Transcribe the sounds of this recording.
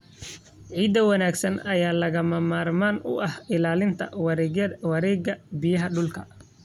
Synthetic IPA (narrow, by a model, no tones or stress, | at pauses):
ʕiːd̪ɐwɐnaːɡsɐnɐjaːlɐɣɐmɐmaːrmaːnʊ̰ʔɐhɪlaːlɪnt̪ʰɐ̰wɑɾɛɡjɐwɐɾɛːɡɐbɪjɐɦɐɖʊlkʰɐ